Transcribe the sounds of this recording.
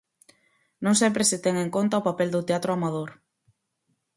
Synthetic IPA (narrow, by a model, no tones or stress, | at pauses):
nõŋsɛmpɾeset̪ɛŋeŋkont̪aopapɛld̪ʊt̪eat̪ɾʊamað̞oɾ